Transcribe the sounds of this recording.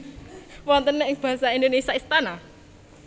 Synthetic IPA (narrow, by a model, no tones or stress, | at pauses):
wɔnt̪ənːɛɪŋb̥a̤ɦsaind̪onesaist̪ana